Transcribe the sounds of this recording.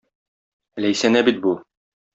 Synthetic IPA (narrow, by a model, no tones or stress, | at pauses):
læjsænæbit̪̚bu